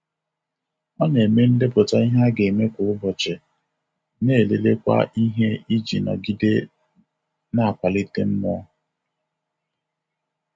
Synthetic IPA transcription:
ɔ˦ne˨me˦n̩˦de˦pʊ˨ta˦i˦ɦa˦ɡe˨me˦kʊ˨˦ʊ˦bɔ˨t͡ʃɪ˨ | ne˦˨le˦le˦kʷa̰˦ʔi˦ɦe˦i˦d͡ʒi˨nɔ̰˨ɡi˦de˦ | na˦a˨kʷa˨li˦te˦m̩˦mɔ˦

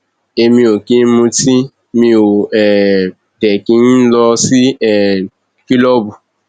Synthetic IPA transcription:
e˧mĩ˧o˨ki˦mũ˧ti˦ | mĩ˧o˨ɛ˨ | dɛ˨ki˦n˦lɔ˧si˦ɛ˨ | ki˦lɔ˦bu˨

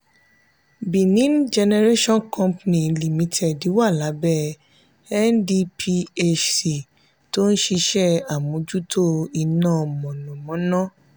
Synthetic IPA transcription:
bĩ˨nĩ˨˦n˦d͡ʒɛ˧nɛ˧ɾe˦ʃɔ̃˦nkʰɔ̃˦mpnĩ˨li˨mĩ˧˦tʰɛ˨di˨˦wa˦˨la˨˦bɛ˦˨ | ɛ˦ndi˧pʰi˧e˦t͡ʃsi˨ | to˦n̩˦ʃi˧ʃɛ˦a˨mũ˨˦d͡ʒu˦tʰo˦i˧nãː˦˨mɔ̃˨nɔ̃˨mɔ̃˨˦nã˦

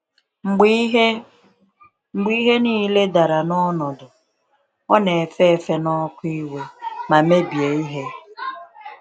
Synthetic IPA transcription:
ŋ͡m̩˨˦ɦe˦ | ŋ͡m̩˨ɡ͡bi˦ɦe˦niː˦le˦da˨ɾa˨nɔ˦nɔ˨dʊ˨ | ɔ˦ne˨fe˦˨fe˦nɔ˦kʊ˦i˦we˦ma˨me˦bje˨i˦ɦe˦

